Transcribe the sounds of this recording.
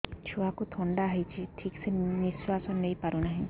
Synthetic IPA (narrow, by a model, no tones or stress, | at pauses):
t͡ʃʰuakut̪ʰɔɳɖaɦijt͡ʃʰiʈʰikseniswasɔnːejpaɾunaɦĩ